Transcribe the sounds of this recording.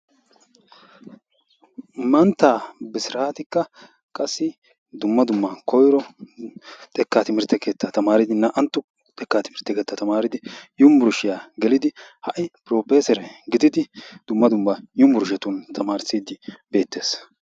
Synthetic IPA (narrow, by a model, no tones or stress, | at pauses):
mɐnt̪ːaːbɪsɪɾaːt̪ɪkːɐ | kʼɐsːɪ | d̪ʊmːɐd̪ʊmːɐkɔjɾɔ | t̪ʼɛkːat̪ɪmɪɾt̪ːɛke̞ːt̪ːɐt̪ɐmaːɾɪd̪ɪnːɐʔɐnt̪ːʊ | t̪ʼɛkːaːt̪ɪmɪɾt̪ːɛke̞ːt̪ːɐt̪ɐmaːɾɪd̪ɪjʊmbʊɾʃɪjaɡɛlɪd̪ɪhɐʔɪpɾoːpeːsɛɾɛɡɪd̪ɪd̪ɪd̪̥ʊmːɐd̪ʊmbɐjʊmbʊɾʊʃ̬ɛt̪ʊnt̪ʰɐmaːɾsiːd̪ɪb̥e̞ːt̪ːe̞ːs